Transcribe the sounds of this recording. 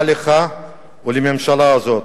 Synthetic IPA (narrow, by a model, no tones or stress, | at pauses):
leχa | ulememʃalaːzot̪